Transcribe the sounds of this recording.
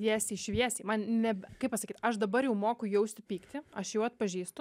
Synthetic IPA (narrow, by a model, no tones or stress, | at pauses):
iɛsʲɪʃʲʋʲiɛsʲiːmɐnnʲɛbkɐɪpɐsɐkʲiːt̪ʲɐʃd̪ɐbɐɾjɛʊmoːkʊjɛʊsʲt̪ʲɪpʲiːkt̪ʲɪɐʃjɛʊɐt̪̚pɐʒʲiːst̪ʊ